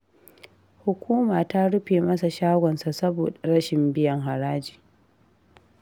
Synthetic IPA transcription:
hʊ˨kʷuː˦maː˨ta˦ɽʊ˦ɸeː˨mɐ˦sa˨ʃaː˦ɡʷɔ˨nsa˨sɐ˦boː˨da˨ɽɐ˦ʃɪ˨mbɪ˦jɐ˨ŋɦa˨ɾaː˦d͡ʒiː˨

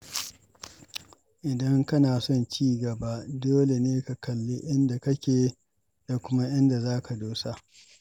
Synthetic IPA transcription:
ʔɪ˨dɐ˦ŋkɐ˦naː˨sɔ˦nt͡ʃiː˦ɡɐ˨ba˦ʔdoː˦le˨neː˦ka˨kɐ˨lːi˦ʔɪ˦nda˨kɐ˦kʲeː˨ | d̥a˨kʷʊ˦ma˦ʔɪ˦nda˨zaː˦ka˨doː˦sa˦ʔ

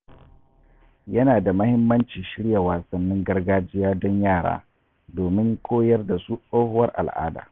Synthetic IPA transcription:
jɐ˦naː˨da˨mɐ˦hɪ˦mːɐ˦nt͡ʃiː˨ʃɪ˦ɽja˨waː˨sɐ˨nːɪ˦ŋɡɐ˦rɡaː˦d͡ʒɪ˦jaː˦dɔ˦ɲjaː˦˨ɽa̰ː˦ | doː˨mɪ˦ŋkʰʷoː˦jɐ˦rda˨su˦sʼoː˦hʊ˦wɐ˦rʔa̰˨lʔa̰ː˦da̰ː˨

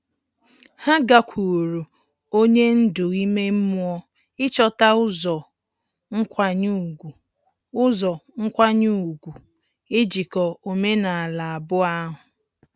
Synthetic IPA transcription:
ha˦ɡa˨kʷʰu˨ɾu˨ | o˦ɲe˦n̩˦dʊ˨i˦me˦m̩˦mʊ˦ɔ˦ | ɪ˦t͡ʃɔ˦ta˦ʊ˦zɔ˨ | ŋ̩˦kʷa˨ɲu˦˨ɡʷu˨ | ʊ˦zɔ˨ŋ̩˦kʷa˦ɲu˦u˨ɡʷu˨ | ɪ˦d͡ʒi˨kɔ˨o˨me˦na˨a˨la˨a˨bʊ˦a˦ɦʊ˨

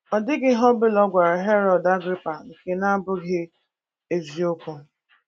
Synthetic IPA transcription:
ɔ˨dɪ˦ɡɪ˦ɦɔ˦bɪ˦lɔ˦ɡʷa˨ɾa˨ɦe˦ɾɔ˨da˦ɡɾɪ˦pa˨ŋ̩˨ke˨na˦a˦bʊ˦ɡe˦ | e˨zi˨o˦kʷʊ˨

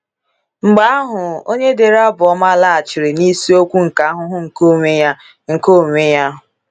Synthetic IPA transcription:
ŋ͡m̩˨ɡ͡ba˨a˦ɦʊ˨o˦ɲe˦de˨ɾa˦bʊ˨ɔ˦ma˦la˦a˨t͡ʃɪ˨ɾɪ˨ni˦si˦o˦kʷu˦ŋ̩˨ka˨a˦ɦʊ˦ɦʊ˦ŋ̩˨ko˦˨ŋʷe˦ja˦ | ŋ̩˨ko˦˨ŋʷe˦ja˦ɦʊ˨

